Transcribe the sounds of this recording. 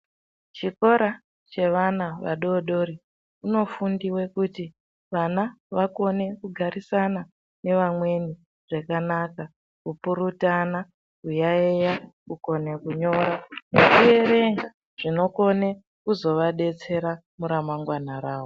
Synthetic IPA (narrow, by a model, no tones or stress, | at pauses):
t͡ʃiko̞ɾa | t͡ʃe̞ʋanaʋa̰ɗo̞ɗoɾi | uno̞fundiwe̞kuti | ʋanaʋako̞ne̞kuɡʱaɾisana | ne̞ʋamwe̞ni | ʐ̥ekanaka | kupuɾutana | ujaejauko̞ne̞kuɲo̞ɾanekuje̞re̞ŋɡa | ʐ̥ino̞ko̞ne̞ | kuzo̞ʋaɗe̞t͡se̞ɾa | muɾamaŋɡwanaɾaːwo